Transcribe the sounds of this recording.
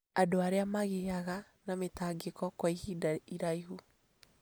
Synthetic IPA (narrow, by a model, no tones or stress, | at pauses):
adoaɾeamaɣeaɣa | nametaːɡekɔkwaihidaiɾaiɦu